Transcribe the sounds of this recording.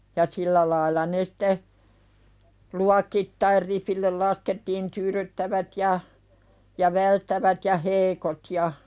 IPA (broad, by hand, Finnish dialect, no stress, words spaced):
jɑ silːæ lɑilːɑ ne sĭ̥te luɑkitːɑir ripilːel lɑsketːiːn tyːɾytːæʋæt jɑ jɑ ʋæltːæʋæt jɑ heikot jɑ